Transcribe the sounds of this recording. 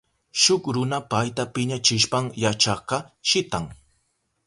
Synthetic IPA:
ʃʊkɾʊnapajt̪apɪɲat͡ʃɪʃpaŋjat͡ʃɑqɑʃɪt̪aŋ

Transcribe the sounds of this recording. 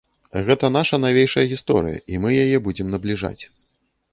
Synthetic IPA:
ɣɛt̪ɐn̪aʂɐnavʲejʂɐjɐɣʲist̪ɔ̰ɾɨ̰jɐ̰ʔimɨjajɛbud͡zʲɛmnɐblʲiʐa̰t͡sʲ

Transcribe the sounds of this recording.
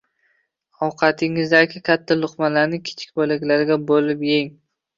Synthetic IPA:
ɒwqʰɑt̪ʰɪŋɪzd̪akʲʰɪkʲʰat̪ʰːalˠʊqmalaɾnɪkʲʰɪ̥t͡ʃʰɪ̥kʲbɒlɪkʲlaɾɡʲabolɪpjeŋ

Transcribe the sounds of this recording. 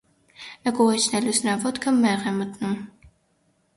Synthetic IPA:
ɛkuʁɛt͡ʃʰnɛlusʰnɑvɔt̪kʰəmɛʁɛmət̪num

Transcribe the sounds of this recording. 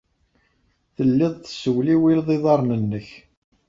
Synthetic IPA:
θəlːɪðˤθə̥səwliwilðˤiðˤɑɾˤnənːəç

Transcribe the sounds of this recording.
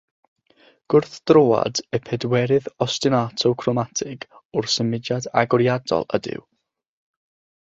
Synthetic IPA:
ɡ̥ʊrθd̥roːa̰dɛpʰɛdwɛɾɨðɔstɪnatʰowkʰrɔmatʰɪɡʊrsɛmɪdadaɡɔɾjadɔ̰lˠə̰dɪ̰w

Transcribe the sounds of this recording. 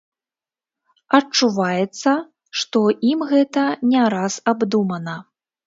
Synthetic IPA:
ɐt͡ʂuvajɛt̪sːɐ | ʂt̪ɔʔimɣɛt̪ɐnʲɛɾasabd̪umɐnɐ

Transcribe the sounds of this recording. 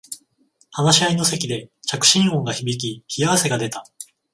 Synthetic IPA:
hanaɕiaino̞se̞kʲid̪e̞t͡ɕakɯ̟̥ɕĩɰ̃õ̞ːŋɡaçibʲik̬ʲiçijaβase̞ɡad̪e̞t̪a

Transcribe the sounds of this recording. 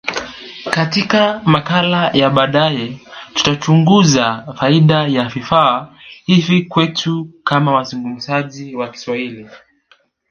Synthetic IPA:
katikamakalajaɓaɗajɛtu̥tat͡ʃuŋɡuzafaiɗajavifaːhivikwɛtʰukamawazuŋɡum̩saʄiwaki̥swahili

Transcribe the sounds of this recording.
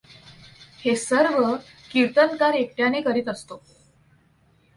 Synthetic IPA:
hesəɾʋə | kiɾt̪ənkaɾek̚ʈjanekəɾiːt̪əst̪o

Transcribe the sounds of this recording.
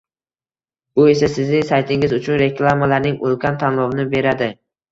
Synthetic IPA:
bʊe̞sasɪznɪŋsajt̪ʰɪŋɪzʊt͡ʃʰʊnɾe̞kʰlˠamalaɾnɪŋolˠkʲant̪ʰanlˠɒvɪnɪbe̞ɾad̪ɪ

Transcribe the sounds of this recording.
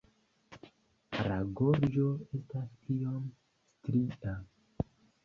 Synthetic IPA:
ɾaɡoɾd͡ʒo̞e̞staskiom | stɾiʔa

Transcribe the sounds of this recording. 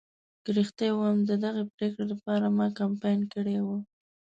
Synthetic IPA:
ɡ̥ɾixt̪ewamd̪əd̪aɣepɾekɽelapɑɾamɑkampɑjnkəɽewə

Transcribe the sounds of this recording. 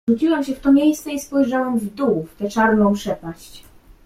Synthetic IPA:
ut͡ɕiwɛmɕɛft̪ɔmʲejst̪sɛispɔjʐawɛmvd̪uft̪ɛt͡ʂaɾnɔ̃w̃pʂɛpaɕt͡ɕ

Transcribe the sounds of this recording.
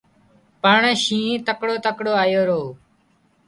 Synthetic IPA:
pəɳʃĩːt̪əkɽoːt̪əkɽoːaːjoːɾoː

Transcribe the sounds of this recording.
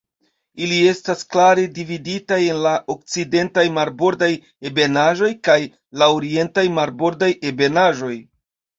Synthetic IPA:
ilie̞stasklaɾe̞dividitaje̞nlaʔo̞k̚t͡side̞ntajmaɾbo̞ɾdaj | ebe̞naʒo̞jkaj | laoɾie̞ntajmaɾbo̞ɾdajebe̞naʒo̞j

